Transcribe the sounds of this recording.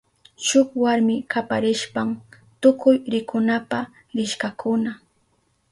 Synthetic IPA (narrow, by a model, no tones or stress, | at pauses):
ʃʊkwaɾmɪkapaɾɪʃpam | t̪ʊkʊjɾɪkʊnapa | ɾɪʃkakʰʊna